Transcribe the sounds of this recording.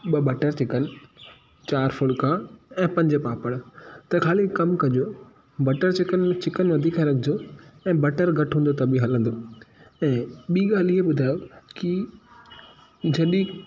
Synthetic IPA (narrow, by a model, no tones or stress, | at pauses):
ɓɐbɐʈəɾt͡ɕɪkənɪ̆ | t͡ɕaːɾfʊɭkʰãːɛ̃ːpɐ̃ɲd͡ʑepaːpəɽ̃t̪ɐkʰaːlikkɐmkɐɲd͡ʑoː | bɐʈəɾt͡ɕɪkənmẽt͡ɕɪkənʋɐd̪ʱiːkaɾɐɡʰʱɪd͡ʑoɛ̃ːbɐʈəɾɡʱɐʈɦũːnd̪ot̪ɐbʱĩɦɐlə̃nd̪oːɛ̃ːɓiːɠaːliɦeɓʊd̪ʱaːjoki | d͡ʑɐɗĩ